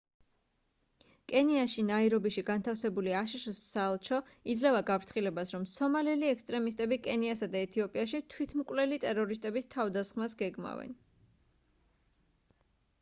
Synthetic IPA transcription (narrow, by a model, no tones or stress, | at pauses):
kʼɛniaʃinaiɾɔbiʃiɡant̪ʰafsɛbuliaʃiʃɔsːalˠt͡ʃʰɔ | id̪zlɛvaɡapʰɾt̪ʰχilɛbasɾɔmsɔmalɛliɛkst̪ʼɾɛmis̬t̪ʼɛbikʼɛniasad̪aɛt̪ʰiɔpʼiaʃit̪ʰwit̪ʰmkʼwlɛlit̪ʼɛɾɔɾist̪ʼɛbist̪ʰavd̪asχmasɡɛɡma̰vɛ̰n